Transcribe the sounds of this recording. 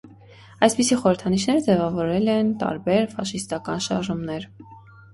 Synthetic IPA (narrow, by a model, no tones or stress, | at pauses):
ɑjspisiχɔɾəɾt̪ʰɑniʃnɛɾəd͡zɛvɑvɔɾɛlɛnt̪ɑ̰ɾbɛɾfɑʃist̪ɑkɑnʃɑ̰ɾʒumnɛɾ